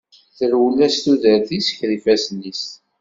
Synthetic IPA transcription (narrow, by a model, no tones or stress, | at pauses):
θəɾwəlːæst̪uðəɾθisə̥çɾifæsənːis